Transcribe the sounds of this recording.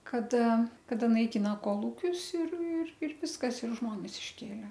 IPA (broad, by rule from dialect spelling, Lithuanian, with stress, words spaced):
kɐˈdɐ kɐˈdɐ nɐɪˈkʲɪnɐ koːˈlˠuːkʲʊs ɪr ɪr ɪr ˈʋʲɪskɐs ɪr ˈʒmoːnʲɛs ɪʃʲˈkʲeːlʲɛ